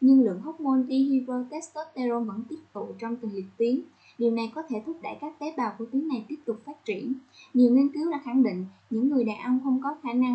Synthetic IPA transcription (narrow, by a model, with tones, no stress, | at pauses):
ɲɨ˧ŋlɨ̰˧˨əŋɦə˦˥k͡p̚mo˧nt̪i˧ɦi˧vəː˧t̪e˦˥st̪o˦˥t̚t̪e˧zo˧və̰˧˥nt̪i˦˥əp̚t̪ṵ˧˨t͡ɕɔ˧wŋ͡mt̪i˨˩li˨˩ək̚t̪i˨˦ən | ɗi˨˩wna˨˩jkɔ˨˦t̪ʰe˧˩t̪ʰʊ˦˥k͡p̚ɗa̰˧˩jkaː˦˥k̚t̪e˨˦ɓaː˨˩wku˧˩t̪i˨˦əŋna˨˩jt̪i˦˥əp̚t̪ʊ˨˩k͡p̚faː˦˥t̚t͡ɕḭ˧˩ən | ɲi˨˩wŋi˧ənkɨ˨˦wɗa̰ː˧˥xa˧˩ŋɗḭ˧˨ŋ̟ | ɲɨ̰˧˥ŋːɨ˨˩əjɗaː˨˩ʔə˧wŋ͡mxə˧wŋ͡mkɔ˨˦xaː˧˩na˧ŋ